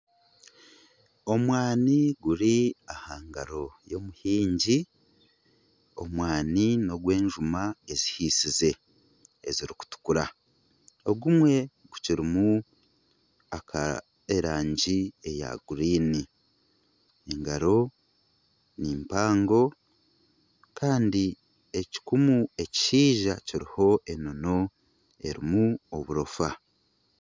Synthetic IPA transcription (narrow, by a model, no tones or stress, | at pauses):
o̞mwaːniɡuɾiahaːŋɡaɾo̞jo̞muhiːɲɟi | o̞̰mwaːnino̞ɡwe̞ːɲʒumaezihisize̞ | eziɾiku̥tu̥kuɾa | oɡumwe̞ | ɡuciɾimu | akʰa̰ | eɾaːɲɟie̞ja̰ɡuɾiːni | eŋɡaɾo̞ | nimpaːŋɡo̞ | kʰaːndi | eci̥kumue̞ci̥ʃiːʒaciɾiho̞ʔe̞no̞no̞ | e̞ɾḭmuoβuɾofa